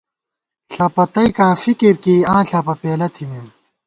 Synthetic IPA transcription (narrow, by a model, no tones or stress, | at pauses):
ɬʰɐpɐt̪ɐjkãːfikiɾkiːãːɬʰaːpɐpeːlɐt̪ʰimem